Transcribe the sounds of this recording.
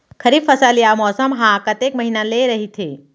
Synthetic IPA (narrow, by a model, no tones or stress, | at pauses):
kʰəɾibfɐsaːlijamɔːsəmɦãkət̪ekməɦinaleɾɐɦit̪ʰeː